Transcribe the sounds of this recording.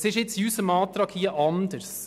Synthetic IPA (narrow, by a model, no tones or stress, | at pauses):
sɪʃɪt̪sjʉːsəmɑːt̪ʰɾɑkʰhiːəʔɑnd̪əɾs